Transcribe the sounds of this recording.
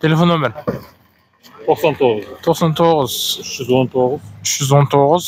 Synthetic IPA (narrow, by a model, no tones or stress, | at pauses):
t̪ʲʰelʲefonːomʲeɾ | t̪ʰoqsant̪ʰoʁəzt̪ʰoqsɑnt̪ʰoʁəzʃzwont̪ʰoʁəzʏʃʒʏzwo̞nt̪ʰoʁəz